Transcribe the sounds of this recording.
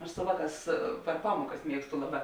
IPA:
ɐʃ sʊ ˈʋɑːˌkɑːs pʲɛr ˈpɑːmuɔkɐs ˈmʲiɛkstʊ ˈlˠɑːˌbɑː

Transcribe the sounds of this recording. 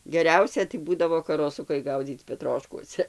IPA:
ɡʲɛˈrʲɛʊsʲɛ tɐɪ ˈbuːdɐʋoː kɐroːˈsʊkɐɪ ˈɡɐʊd͡zʲiːt͡s pʲɛˈtroːʃkuɔsʲɛ

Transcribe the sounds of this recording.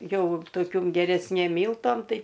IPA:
ˈjɛʊ toːˈkʲʊm ɡʲɛrʲɛsʲˈnʲeːm ˈmʲiːlˠtoːm ˈtɐɪ

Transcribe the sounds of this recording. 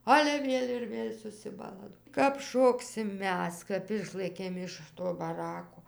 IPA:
ˈɑːlʲɛ ˈʋʲeːlʲ ɪr ˈʋʲeːlʲ sʊsʲɪˈbɑːlˠɐ kɐp ˈʃoːksʲɪm ˈmʲɛs ˈkɐp ˈɪʃlˠɘkʲeːm ɪʃ ˈtoː bɐˈrɑːkoː

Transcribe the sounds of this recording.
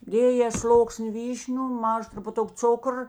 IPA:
ˈdʲeːjeː ˈslˠoːksʲnʲɪ ˈʋʲiːʃʲnʲʊ ˈmɑːʒɐ trʊpʊˈtʊk ˈt͡sʊkr

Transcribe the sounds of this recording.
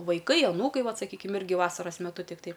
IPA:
ʋɐɪˈkɐɪ ɐˈnuːkɐɪ ˈʋɐt sɐˈkʲiːkʲɪm ˈɪrʲɡʲɪ ˈʋɑːsɐrɐs mʲɛˈtʊ tʲɪkˈtɐɪ

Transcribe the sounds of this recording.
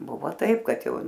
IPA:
ˈbʊʋoː ˈtɐɪp ˈkɐt ˈjɛʊ

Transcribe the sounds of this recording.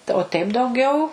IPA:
tɐɪ oː tʲɛɪp dɐʊˈɡʲɛʊ

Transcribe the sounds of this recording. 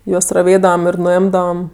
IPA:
ˈjuɔs rɐˈʋʲeːdɐʋɐm ɪr nʊˈɪmdɐʋɐm

